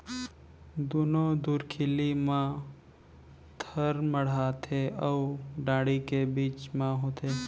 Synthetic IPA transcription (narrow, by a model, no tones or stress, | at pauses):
d̪uːnod̪uːɾkʰɪlimã | t̪ʰəɾməɽ̤at̪ʰeəwɖaːɽikebiːt͡ʃmãɦoːt̪ʰe